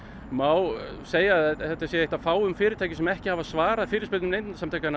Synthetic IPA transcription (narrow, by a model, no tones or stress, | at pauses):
maːwseːjaɛθɛt̪asjɛeht̪afaːwʏmfɪːɾɪɾt̪aːjcɪsɛmɛhcɪhavasvaːɾaðfɪːɾɪspɪlʏmnejnnsamt̪ʰajkana